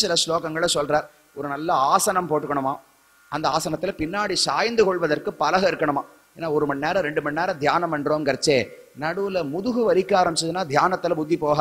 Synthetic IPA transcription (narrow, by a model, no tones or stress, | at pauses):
sɪlɐsloːɣɐŋɡɐɭɐsɔlraːɾ | ɔɾɯnɐlːɐaːsɐnɐmpoːʈːɯkːɐɳɯmaː | ʔɐnd̪ɐaːsɐnɐt̪ːɪlɐpɪnːaːɽisaːjɐnd̪ɯkɔɭʋɐðɐrkɯpɐlɐɣɐɪɾɯkːɐɳɯmãː | eːnːaːɔɾɯmɐnːeːɾɐ̃ɾɛɳɖɯmɐnːeːɾɐ̃d̪ʱjaːnɐmɐɳɾoːmkɐɾɐt͡ʃːeː | nɐɽɯʋɯlɐmʊðʊɣɯʋɐɾɪkːaːɾɐmbɪt͡ʃːɐðɯnːaːd̪ʱjaːnɐt̪ːɪlɐbʊd̪ːipoːɣa